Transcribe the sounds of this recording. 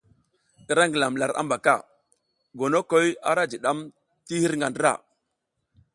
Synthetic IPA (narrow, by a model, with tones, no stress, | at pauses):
ɗə˨ɾa˦ŋɡə˨la˨m˨la˨ɾa̰˦mba˨ka˦˨ | ɡo˨no˦ko˦ja˦ɾa˦d͡ʒi˨ɗa˦m | ti˦hi˦ɾŋɡa˨ndə˦ɾa̰˦˨